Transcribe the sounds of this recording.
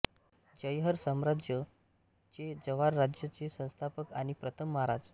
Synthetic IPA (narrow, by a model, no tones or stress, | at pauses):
d͡ʑəjɦəɾsəmɾad͡ʑjə | t͡ɕed͡zəʋaɾːad͡ʑjət͡ɕesə̃w̃st̪ʰapəkaɽ̃ipɾət̪ʰəmːɦaɾad͡z